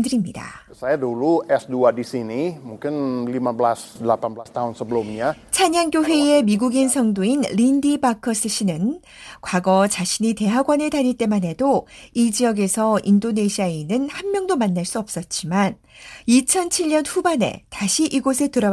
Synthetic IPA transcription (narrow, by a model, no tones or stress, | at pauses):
dɯɾimɲida̰sajaduluɛsduadisinimuŋkɪnlimablasdəlapanbəlast̪aɦunsəbəlumɲat͡ɕʰaɲaŋkjoɸwe̞e̞miɡuɡinsʰʌŋdoinlindibakʰʌsʰɯɕ͈ʰinɯn | kwaɡʌt͡ɕaɕʰinite̞ɦaɡwanɯɭtaɲiɭt͈e̞mane̞doid͡ʑijʌɡe̞sʰʌindone̞ɕʰiainɯnhanmjʌŋdomanːaɭs͈uʌp̚s͈ʌt̚t͡ɕ͈iman | it͡ɕʰʌnt͡ɕʰiɭɲʌnɸubane̞̰taɕʰiʔiɡosʰɯɭtɯɾʌ